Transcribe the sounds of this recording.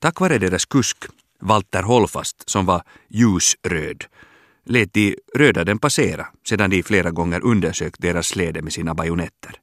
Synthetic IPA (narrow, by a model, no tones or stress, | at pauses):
t̪ʰakːvɑːɾəd̪eːɾaskʰɵsk | valt̪ːəɾɦɔlfa̰st̪sɔmva | jʉ̟ːsɾø̰ːd̪ | leːt̪̚d̪ɪɾøːd̪ad̪ɛnpaseːɾa̰seːd̪and̪ɪfleːɾaɡɔŋːəɾʔɵnd̪əʂøːk̚t̪̚d̪eːɾasːleːd̪əmɛsiːnabajʊnɛt̪ʰːəɾ